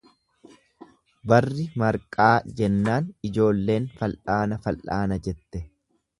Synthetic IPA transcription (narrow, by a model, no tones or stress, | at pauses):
bɐrːɪmɐɾkʼaːd͡ʒɛnːaːnɪd͡ʒo̞ːlːe̞ːnfɐlʔaːnɐfɐlʔaːnɐd͡ʒɛt̪ːɛ